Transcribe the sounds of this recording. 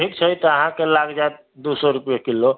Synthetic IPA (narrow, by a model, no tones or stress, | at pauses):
ʈʰikt͡ʃʰəjt̪ɔəɦãkelaɡd͡ʒaet̪̚ | d̪usɔɾupjekilːo